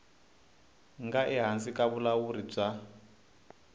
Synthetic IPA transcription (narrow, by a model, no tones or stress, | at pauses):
ŋɡaʔɛɦansikaβulawuɾib͡ʐa